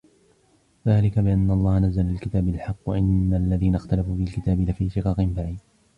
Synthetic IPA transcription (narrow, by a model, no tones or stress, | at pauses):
ðaːlɪkabɪʔanːaʔɑlˤːɑːhanazːalɪlkɪt̪aːbalħɑqːwa̰ʔanːalːaðiːnaxt̪alafuːfalkɪt̪aːbɪlafiːʃɪqɑːqɪmbaʕiːd̪